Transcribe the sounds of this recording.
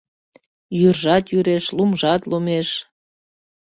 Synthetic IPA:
jyrʒɑt̪jyɾeʃlumʒɑt̪lumeʃ

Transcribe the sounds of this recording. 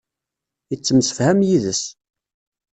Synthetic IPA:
jət͡sːəmsə̥fhæmjiðəs

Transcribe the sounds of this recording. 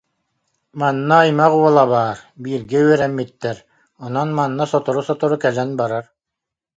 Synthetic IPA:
manːaːjmaquɔlˠabaːɾbiːɾɡɛyœɾɛmːit̪ːɛɾ | ɔnɔnmanːasɔt̪ɔɾusɔt̪ɔɾukɛlɛnbaɾaɾ

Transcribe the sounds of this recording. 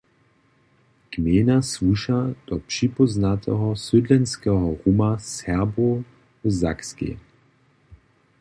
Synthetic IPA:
kmeːnasvuʃad̪̥ɔpʂipɔznat̪ɛ̰ɦɔsyd̪lɛnskɛɦɔʁumasɛʁbo | vza̰kskḭ

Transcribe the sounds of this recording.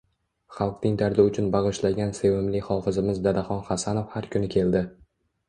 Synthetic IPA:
χɑlˠqnɪŋd̪aɾd̪ɪʊt͡ʃʰʊnbɑʁɨʃlaɡʲansewɪmlɪχɒfɪzɪmɪzd̪ad̪aχɒnχasanofhaɾkʰʲʊnɪkʲʰe̞ld̪ɪ

